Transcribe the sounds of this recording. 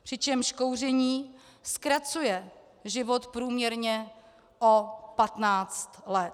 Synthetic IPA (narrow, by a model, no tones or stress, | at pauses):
pr̥ɪt͡ʃɛmʃkowr̝ɛɲiːskɾat͡sujɛ | ʒɪvot̪pɾuːmɲɛɾɲɛ | ʔopat̪naːt͡st̪lɛt̪